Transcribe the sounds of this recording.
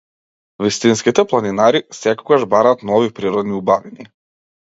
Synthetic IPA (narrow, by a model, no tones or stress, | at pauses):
vist̪inskit̪ɛplˠaninaɾisɛkɔɡaʒbaɾaːt̪nɔvipɾiɾɔd̪niubavini